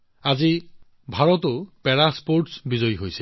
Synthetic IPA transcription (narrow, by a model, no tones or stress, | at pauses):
azi | bʱaɹɔtʊpɛɹaspoɹʈsbizɔjɦojsɛ